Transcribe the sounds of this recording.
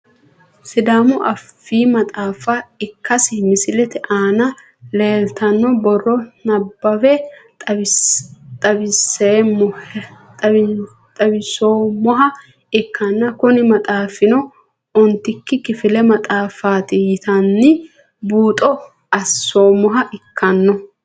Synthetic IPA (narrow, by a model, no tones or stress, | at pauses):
sɪd̪aːmʊʔɐfːiːmɐt̪ʼaːfɐɪkːɐsɪmɪsɪlɛt̪ɛʔaːnɐ | leːlt̪ɐnːɔbɔrːɔnɐbːɐwɛ | t̪ʼɐbɪseːɔt̪ʼɐ | t̪ʼɐbɪsoːmɔɦɐ | ɪkʰːɐnːɐkʊnɪmɐt̪ʼaːfɪnɔ | ɔnt̪ɪkːɪkɪfɪlɛmɐt̪ʼaːfaːt̪ɪjɪt̪ɐnːɪ | buːt̪ʼɔ | ʔɐsːoːmɔɦɐʔɪkʰːɐnːɔ